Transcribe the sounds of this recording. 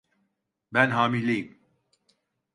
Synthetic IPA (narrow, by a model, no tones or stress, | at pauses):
bɛnɦaːmilejim